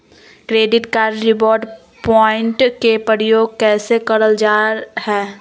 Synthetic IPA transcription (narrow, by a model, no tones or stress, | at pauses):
kɾeːɖɪʈkaːɾɾɪboːɾɖ | pɔːɪ̃ɳʈkepəɾjoːɡ̚kɛːsekɐɾəld͡ʒaːɾhɛː